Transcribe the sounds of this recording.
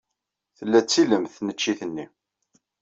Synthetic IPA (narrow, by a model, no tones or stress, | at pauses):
θəlːæt͡sːiləmθnət͡ʃːiθənːi